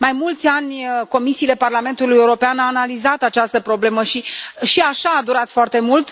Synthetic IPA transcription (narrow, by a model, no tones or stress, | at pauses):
majmult̪sʲanʲko̞misiːle̞parlame̞nt̪ulujeuɾo̞peanaːnalizat̪at͡ʃast̪əpɾo̞ble̞məʃiʃiaʃaːd̪uɾat̪foart̪e̞mult̪